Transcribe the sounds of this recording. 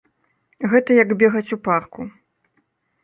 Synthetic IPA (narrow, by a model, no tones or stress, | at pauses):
ɣɛt̪ɐjɐɡbʲɛɣɐt͡sʲuparku